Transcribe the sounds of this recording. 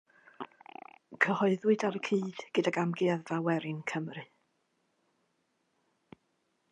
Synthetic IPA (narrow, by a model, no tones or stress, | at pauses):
kʰəhɔɨðwɨdaɾəkʰiːd̥ɡ̥ədaɡamɡɪaðvawɛɾɪnkʰəmrɨ